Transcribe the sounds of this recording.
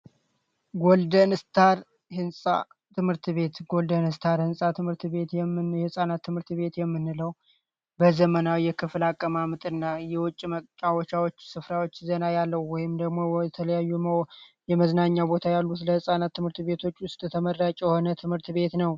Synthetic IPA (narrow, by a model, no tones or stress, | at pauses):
ɡold̪ənɨst̪ʰaɾ | hɨnsʼa̰ | t̪ʰɨmhɨɾt̪βe̞t̪ɡo̞ld̪ənhɨst̪ʰaɾhɨnsʼat̪ʰɨmhɨɾt̪βe̞t̪jɛmːɨnjɛhɨsʼanat̪ːɨmhɨɾt̪βe̞t̪jɛmːɨnːɨləw | bəzəmənawijɛkʰɨflakʼːəmamɨt̪ʼɨnːajɛwɔt͡ʃʼːimət͡ʃʼːawɔt͡ʃawot͡ʃːsɨfɾawo̞t͡ʃːzənajalːəhwɔjɪmd̪əɡmo̞wɛt̪ʰələjajːumowjɛməznaɲːabo̞t̪ʰajalːut̪ləhɨsʼanat̪ʰːɨmhɨɾt̪βe̞t̪ʰo̞t͡ʃːʊst̪ʼt̪ʰəmərːat͡ʃʼɛjho̞nət̪ʰɨmhɨɾt̪βe̞t̪nəw